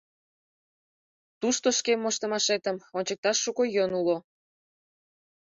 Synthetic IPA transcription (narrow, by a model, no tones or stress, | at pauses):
t̪uʃt̪oʃkemːoʃt̪ə̆mɑʃet̪əmonʲt͡ɕək̚t̪ɑʃːukojonulo